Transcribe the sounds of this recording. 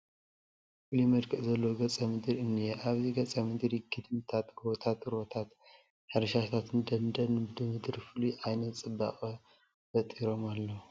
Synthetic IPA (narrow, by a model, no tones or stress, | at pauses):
fɨlimɐd̪kʰɨʔzɐlːoɡɐt͡sʼɐmɨd̪ɨɾɨnːijɛʔaβziɡɐt͡sʼɐmɨd̪ɾiɡʰɨd̪mt̪ʰat̪ɡot̪ʰat̪ɾot̪ʰat̪ | ħɨɾɐʃat̪ʰat̪ɨnd̪ɐnd̪ɐnɨbɨd̪ɨmɨd̪ɾifɨluʔajnɐt͡sʼɨbːa̰kʼɐ | fɐt̪ʼiɾo̞malːɐu